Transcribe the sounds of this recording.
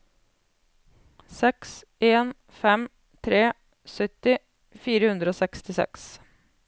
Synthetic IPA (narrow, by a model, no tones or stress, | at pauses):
sɛks | eːn | fɛm | t̪ʰɾeː | sœt̪ɪ | fiːɾəhʉnd̪ɾəoːsɛkst̪ɪsɛ̰ks